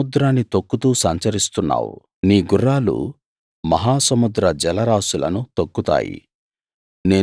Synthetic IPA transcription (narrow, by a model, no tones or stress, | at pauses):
ud̪ɾaːnːit̪okːut̪uːsɐɲt͡ʃɐɾist̪unːa̰ːwṵ | niːɡurːaːlṵ | mɐɦaːsɐmud̪ɾɐd͡ʒɛlɐɾaːsulɐ̰nut̪okːut̪a̰ːjḭ | ne̞ː